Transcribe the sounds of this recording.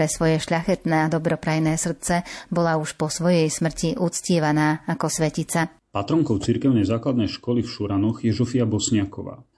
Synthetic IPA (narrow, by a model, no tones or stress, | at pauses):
ɾɛsʋɔjɛʃʎaxɛt̪nɛːad̪ɔbɾɔpɾajnɛːsr̩t͡sɛbɔlauʃpɔsʋɔjɛjsmr̩ciʔut͡scɪɛʋanaːakɔsʋɛcit͡sa | pat̪ɾɔŋkɔʊt͡siɾkɛʊnɛjzaːklad̪nɛjʃkɔlifʃuɾanɔxjɛzɔfiabɔsɲɪakɔʋa̰ː